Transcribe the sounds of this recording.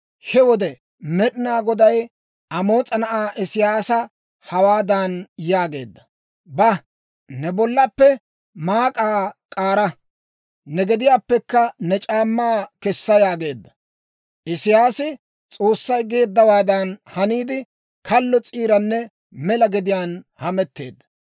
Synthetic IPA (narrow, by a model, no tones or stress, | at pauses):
hɛwɔd̪ɛ | mɛɗɪnaːɡɔd̪ɐj | ɐmo̞ːt͡sʼɐnɐʔaːʔɪsɪjaːsɐ | hɐwaːd̪ɐnjaːɡe̞̰ːd̪ːɐ̥ | bɐ | nɛbɔlːɐpːɛ | maːkʼaːkʼaːɾɐ | nɛɡɛd̪ɪjaːpːɛkːɐnɛt͡ʃʼaːmːaːkɛsːɐjaːɡe̞ːd̪ːɐ̥ | ʔɪsɪjaːsɪ | t͡sʼo̞ːsːɐjɡe̞ːd̪ːɐwaːd̪ɐnhɐniːd̪ɪ | kɐlːɔt͡sʼiːɾɐnːɛ | mɛlɐɡɛd̪ɪjaːnhɐmɛt̪ːe̞̰ːd̪ːɐ̥